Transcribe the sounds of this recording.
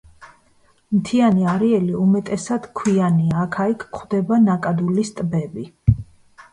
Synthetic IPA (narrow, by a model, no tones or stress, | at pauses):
mt̪ʰianiaɾiɛliumɛt̪ʼɛsad̪̥kʰwianiaːkʰaikʰːχwd̪ɛbanakʼad̪ulist̪ʼbɛbi